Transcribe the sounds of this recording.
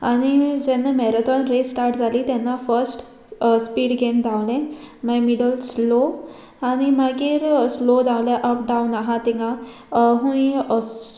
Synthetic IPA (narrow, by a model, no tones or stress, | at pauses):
aɽ̃id͡ʑenːamɛɾət̪ɔnɾesʈaɾʈd͡zʱaliːt̪janːafəɾsʈ | spiːɽɡʱend̪ʱãwlẽmajmiɖəlslo | añimaɡiːɾslod̪ʱãʋleʔəp̚ɖãunaɦãt̪iŋɡã | ɦũĩ